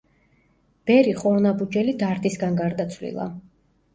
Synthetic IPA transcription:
b̥ɛɾiχɔɾnabud͡ʒɛlid̪aɾt̪ʼisɡanɡaɾd̪at̪sʰvlḭlˠa̰

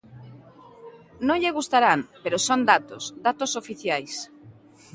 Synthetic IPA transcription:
nõŋʎeɣust̪aɾaŋpeɾosond̪at̪o̰sd̪at̪osofiθjajs

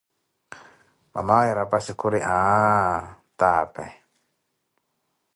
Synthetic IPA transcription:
ma̰maiɾapasikuɾiʔa | t̪apa̰j

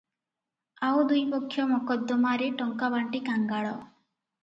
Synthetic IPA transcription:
awd̪ujpɔkʰːjɔmɔkɔd̪ːɔmaɾeʈɔŋkabaɳʈikaŋɡaɭɔ

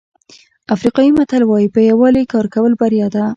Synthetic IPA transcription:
afɾiqɑjimat̪alwɑjipəjawɑlekɑɾkawəlbaɾjɑd̪a

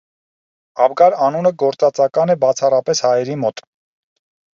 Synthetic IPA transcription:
ɑvɡɑɾɑnunəɡɔɾt͡sɑt͡sɑkɑnɛbɑt͡sʰɑrɑpɛshɑjɛɾimɔt̪

